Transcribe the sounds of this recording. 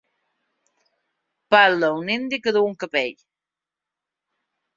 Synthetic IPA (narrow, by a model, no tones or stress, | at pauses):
paləunind̪ikəðuuŋkəpeʎ